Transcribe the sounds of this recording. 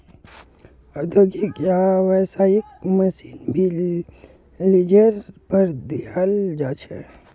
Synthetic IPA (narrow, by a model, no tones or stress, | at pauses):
əd̪əɡikjaːʋɛːsaikməsiːnbʱi | lid͡ʒəɾpəɾd̪iald͡ʒaːt͡ʃʰɛ̰